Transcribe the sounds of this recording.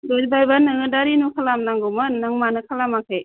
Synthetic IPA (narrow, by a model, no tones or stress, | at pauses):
dɯlbajbanɯŋɯdaɾinukʰalamnaŋɡɔmanɯŋmanɯkʰalamakʰɯj